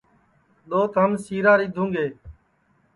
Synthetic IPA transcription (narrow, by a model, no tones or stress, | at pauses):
ɗ̪oːt̪ɦəmsiːɾaːɾiːd̪ʱũːŋɡeː